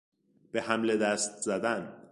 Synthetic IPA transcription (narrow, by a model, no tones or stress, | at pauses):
b̥e̞hæmle̞d̪æst̪̚zæd̪æn